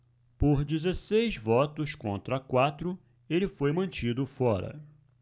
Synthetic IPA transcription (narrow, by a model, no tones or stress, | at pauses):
poɾd͡ʒizesejzvɔt̪ʊskõ̰nt̪ɾɐkwat̪ɾʊ | elɪfojmɐ̃nt͡ʃid̪ʊfɔɾɐ̰